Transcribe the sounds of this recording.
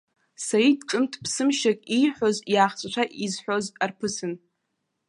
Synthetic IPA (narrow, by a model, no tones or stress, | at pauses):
saidʈ͡ʂʼɨmtʰpʰsɨmʃakʲʼijħʷᶣo̞zjaːχt͡sʷʼʈ͡ʂʷʰaʔizħʷᶣo̞zarpʰɨsɨn